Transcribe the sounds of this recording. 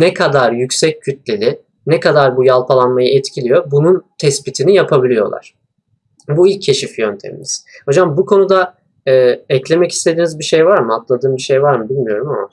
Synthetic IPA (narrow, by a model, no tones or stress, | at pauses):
nɛkʰad̪aɾjycsɛc̚ʰːyt̪lʲelʲɪ | nɛkad̪aɾbujalˠpʰalˠanmajɯɛt̪cʰilʲijo̞bununt̪ʰɛsbit̪ʰinijapʰabilʲijo̞̰lˠa̰ɾ̝̥ | builʲcʰːe̞ʃifjønt̪ʰḛmḭzho̞d͡ʒambukʰo̞nud̪a | ɛːɛclʲe̞mɛci̥st̪ʰe̞d̪iːnizbiʃejvaɾmɯat̪lˠad̪ɯːmbiʃejvaɾmɯbilʲmijo̞ɾumama